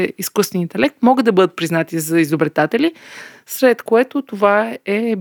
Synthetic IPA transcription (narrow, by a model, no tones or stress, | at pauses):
ɛiskust̪vɛnint̪ɛlɛk̚t̪mɔɡəd̪ɐbɤd̪ət̪̚pɾiznat̪izɐizobɾɛt̪at̪ɛlʲi | sɾɛt̪koɛt̪ot̪ovaɛ